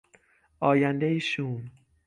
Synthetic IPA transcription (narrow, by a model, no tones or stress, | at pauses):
ʔɒːjænd̪ejiʃuːm